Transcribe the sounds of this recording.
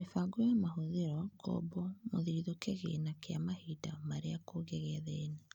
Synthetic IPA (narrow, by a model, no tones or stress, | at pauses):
efaŋɡojamaɦoðeɾɔɡɔ̰bɔmoðiɾiðɔkeɣḛnakea̰mahida̰maɾeakoɣɛɣɛðɛna